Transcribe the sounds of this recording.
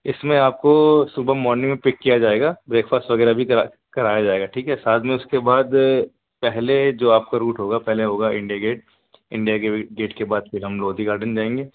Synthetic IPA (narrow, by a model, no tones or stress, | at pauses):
ɪsmẽaːp̚kosʊbʱamɔːɾnɪ̃ŋɡmẽpɪkːijad͡ʒaːeːɡaːbɾeːkfaːsʈʋɐɡɛːɾabʱik | kɐɾaːjad͡ʒaːeːɡaʈʰiːkɦɛsaːt̪ʰmẽʊskebaːd̪ | pɛɦled͡ʒoːaːp̚kaɾuːʈɦoːɡapɛɦleɦoːɡaɪ̰̃ɳɖijaɡeːʈ̚ | ɪ̰̃ɳɖijakeɡeːʈkebaːd̪fɪɾɦɐmloːd̪ʱiɡaːɾɖənd͡ʒaːẽːŋɡeː